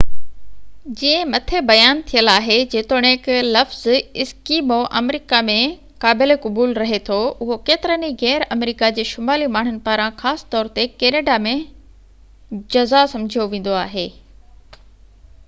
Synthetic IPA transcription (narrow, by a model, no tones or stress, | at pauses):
d͡ʑĩːə̃mɐt̪ʰebɐjaːnt̪ʰijəlaːɦed͡ʑeːt̪oɽ̃ẽːklɐfzɪskiːmoʔɐ̰mɾiːkamẽ | kaːbɪlekɐbuːlɾɐɦet̪ʰoʊɦokeːt̪ɪɾəniɣɛːɾɐmɾiːkad͡ʑeːʃʊmaːlimaːɳ̤ʊnɪ̆paːɾãxaːsɪ̥t̪ɔːɾt̪ekeːneːɖamẽ | d͡ʑɐzasɐ̃md͡ʑʱijoʋẽːn̆d̪oaːɦeː